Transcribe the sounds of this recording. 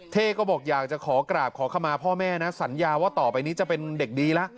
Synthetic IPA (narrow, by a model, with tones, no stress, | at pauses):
t̪ʰeː˥˩kɔː˥˩bɔː˨˩k̚jaː˨˩k̚t͡ɕa˨˩kʰɔː˩˦kɾaː˨˩p̚kʰɔː˩˦kʰa˧mːaː˧pʰɔː˥˩mɛː˥˩na˦˥sa˩˦njaː˧waː˥˩t̪ɔː˨˩pa˧jniː˦˥t͡ɕa˨˩pe˧nde˨˩k̚diː˧la˦˥ʔ